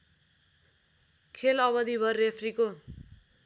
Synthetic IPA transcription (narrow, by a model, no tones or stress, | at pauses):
kʰelʌβʌd̪ibʱʌrːepʰriko